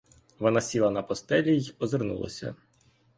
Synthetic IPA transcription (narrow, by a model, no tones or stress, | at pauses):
ʋɔnasʲilˠɐnɐpɔst̪ɛlʲijɔzernṵlˠɐ̰sʲɐ̰